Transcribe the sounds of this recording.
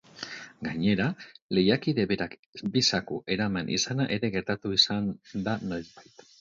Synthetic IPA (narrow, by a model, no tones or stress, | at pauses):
ɡaɲe̞ɾale̞jakiðe̞βe̞ɾakbisakuʔe̞ɾamanʔḭsanaʔe̞ɾe̞ɣe̞ɾt̪at̪uisand̪ano̞jzbajt̪